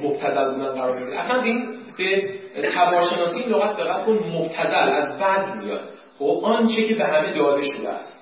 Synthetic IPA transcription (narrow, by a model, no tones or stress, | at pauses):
mob̥t̪ʰæzælbuːd̪ænɢæɾɒːɾmeɾiʔæ̰sænbeinb̥et̪ʰævɒːɾʃe̞nɒːsiiːnloɣæt̪̚ʰbeɣæt̪̚kʰonmob̚t̪ʰæzælæzbæzmḭjɒ̰d̪ | xobʔɒnt͡ʃʰecʰebeɦæme̞d̪ɒːd̪e̞ʃod̪ḛæ̰st̪